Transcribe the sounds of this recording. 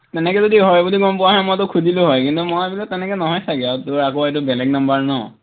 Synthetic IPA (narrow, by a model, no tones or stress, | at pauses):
tɛnɛkɛzodiɦɔjbudiɡɔmpʊwaɦɔjmojtʊkʰudilʊɦɔjkintumɔjebilɔtːɛnɛkɛnɔɦɔjtʰakɛatʊɹakoet̬ʊbɛlɛɡ̚nambaɹnɔ